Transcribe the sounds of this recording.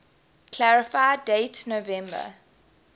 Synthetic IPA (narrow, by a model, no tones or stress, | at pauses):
kʰl̥æɹɪfaɪdetnovɛ̃mbə̰